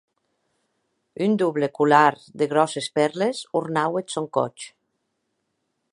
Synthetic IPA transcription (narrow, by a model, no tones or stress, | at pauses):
ynd̪uβlekulaɾ | d̪eɣ̞ɾɔsespɛɾlesuɾnawet̪soŋkɔ̰t͡ʃ